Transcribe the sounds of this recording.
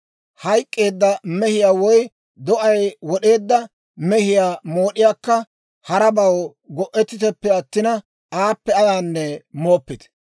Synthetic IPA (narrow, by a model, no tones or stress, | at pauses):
hɐjkʼːe̞ːd̪ːɐmɛhɪjaːwɔj | d̪ɔʔɐjwɔɗe̞ːd̪ːɐ | mɛhɪjaːmo̞ːɗɪjaːkːɐ | hɐɾɐbɐw | ɡɔʔɛt̪ːɪt̪ɛpːɛɐt̪ːɪnɐ | aːpːɛɐjaːnːɛmoːpːɪt̪